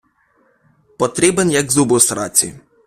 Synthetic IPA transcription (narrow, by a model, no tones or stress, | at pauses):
pɔt̪ɾʲibenjɐɡzubʊsɾɑ̰t͡sʲḭ